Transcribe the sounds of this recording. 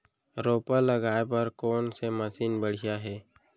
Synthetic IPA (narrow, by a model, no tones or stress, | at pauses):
ɾoːpaləɡaːepɐɾkoːnseməsiːnbəɽ̤jaɦɛː